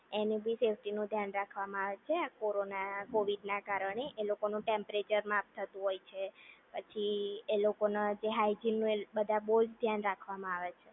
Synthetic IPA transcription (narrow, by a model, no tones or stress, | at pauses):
enĩbʱisefʈinũd̪ʱjanɾakʰʋamãaʋet͡ʃʰeakoɾonakoʋiɖnakaɾəɳ̃eʔelokonũʈempɾet͡ʃəɾmãp̚t̪ʰːət̪ũɦojt͡ʃʰepət͡ʃʰielokonad͡ʒeɦajd͡ʒinːũebəd̪ʱabəɦud͡ʒd̪ʱjanɾakʰʋamãaʋet͡ʃʰe